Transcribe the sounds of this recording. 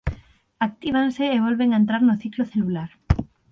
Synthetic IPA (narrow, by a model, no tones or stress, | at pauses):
ak̚t̪iβ̞aŋseːβ̞olβeŋaent̪ɾaɾnoθikloθelulaɾ